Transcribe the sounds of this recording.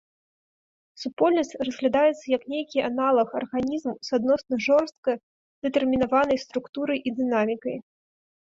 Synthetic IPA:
supɔlʲnɐsʲtʲt͡sʲrɐzɣlʲad̪ajɛt̪sːɐjɐknʲejkʲiʔanalˠɐxɐrɣanʲizmsad̪̚nɔsnɐʐɔrst̪̚kɐ | d̪̥ɛt̪ɛrmʲinavanɐjst̪ɾukt̪uɾɐjʔid̪ɨnamʲikɐj

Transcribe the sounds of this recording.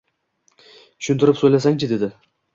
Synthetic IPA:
tʰʊ̥ʃʊnt̪ʰɪɾɪpsojlasaŋt͡ʃʰɪd̪e̞d̪ɪ

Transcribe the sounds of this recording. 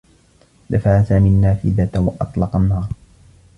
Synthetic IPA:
d̪afaʕasaːminːaːfɪ̰ðat̪wɑʔɑt̪ˤlɑqɑnːɑːɾˤ

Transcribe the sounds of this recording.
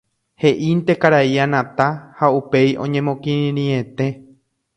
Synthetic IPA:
he̞ʔint̪e̞kaɾaianãt̪ahaupe̞jʔõ̞ɲẽ̞mõkĩɾĩẽt̪e̞

